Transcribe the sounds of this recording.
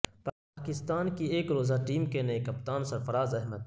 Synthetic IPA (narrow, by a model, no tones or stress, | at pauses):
paːkɪst̪aːnkieːkɾoːzaʈiːmkenɐekɐpt̪aːnsɐɾfɐɾaːzɐɦməd̪